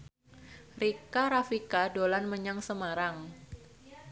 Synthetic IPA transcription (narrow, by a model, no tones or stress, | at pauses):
rikaɾafikadolanməɲaŋsəmaɾaŋ